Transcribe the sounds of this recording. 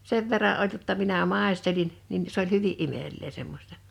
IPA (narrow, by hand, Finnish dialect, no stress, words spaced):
seʋ ʋerːɑʔ ʔolʲ jotːɑ minæ mɑˑestelin nin s olʲ hyʋiʔ ʔimel̆eː semːosʲtɑ